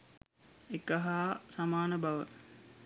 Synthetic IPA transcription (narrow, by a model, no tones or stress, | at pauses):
ekaɦaːsamaːnəbaʋə̰